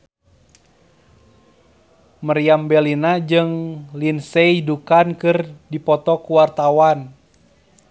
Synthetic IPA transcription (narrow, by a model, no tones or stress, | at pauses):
məriambɛlinad͡ʒɨŋlinsɛidukankɨrdipɔt̪ɔkuwart̪awan